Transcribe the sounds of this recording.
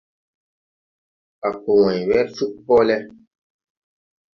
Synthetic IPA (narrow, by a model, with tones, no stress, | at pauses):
a˨ko˨wɔ̃˨ɲ˨wɛ˦ɾfu˦k̚pɔ˦lɛ˦